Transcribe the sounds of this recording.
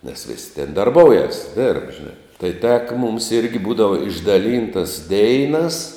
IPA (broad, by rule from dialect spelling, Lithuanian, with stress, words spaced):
nʲɛs ʋʲɪsʲ tʲɛn dɐrˈboːʊjɛs dʲeːrp ˈʒʲɪnɑː tɐɪ ˈtʲæːkɐ mʊms ˈɪrʲɡʲɪ ˈbuːdɐʋɐ ɪʒdɐˈlʲiːntɐs ˈdʲɛɪnɐs